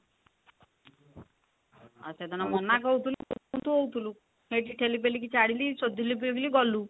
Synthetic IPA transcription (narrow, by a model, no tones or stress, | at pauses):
ə̰set̪anamɔnakowt̪ʰulukuut̪uɦowt̪ʰulu | heʈiʈʰelip̬elik̬it͡ʃaɽilisod̪ʱilip̬iɡliɡɔlu